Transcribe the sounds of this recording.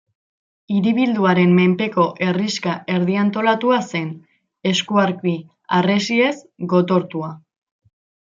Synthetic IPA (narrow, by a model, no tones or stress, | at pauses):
iɾiβ̞ild̪uaɾe̞mːe̞mpe̞ko̞ʔe̞riskaʔe̞ɾð̞iant̪o̞lat̪uase̞n | e̞skuaɾki | are̞sie̞s | ɡo̞t̪o̞ɾt̪ua